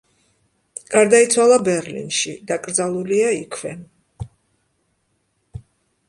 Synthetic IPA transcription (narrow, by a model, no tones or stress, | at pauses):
ɡ̥aɾd̪ait̪sʰwalˠabɛɾlḭnʃid̪akʼɾd̪zalˠuliaikʰwɛ